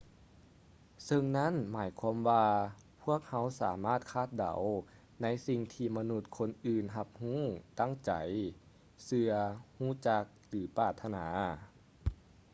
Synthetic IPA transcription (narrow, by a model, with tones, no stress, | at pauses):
sɤ˧ŋna˦˥˨nmaː˩˦jkʰwaː˧˥mwaː˧ | pʰu˥˩ək̚ha˧˥wsa̰ː˩˦maː˥˩t̪̚kʰaː˧˥˩t̪̚da̰˨˩˦w | na˦˥jsi˧ŋt̪ʰiː˧ma˧nu˧˩t̪̚kʰo˧˥nʔɯː˨˧nɦa˧p̚huː˥˨t̪a˥˩˨ŋt͡ɕa̰˨˩˦j | sɯ˧ɐhuː˧˥˩t͡ɕa˧k̚lɯː˨˩˦paː˧˩t̪ʰːa˧naː˩˦